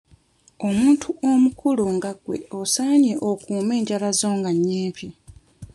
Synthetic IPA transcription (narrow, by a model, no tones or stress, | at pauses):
omuːntʰuʔomukʰuloŋɡaɡwe̞̰osaːɲeʔokuːme̞ːɲɟalazo̞ːŋɡaɲːiːmpʰi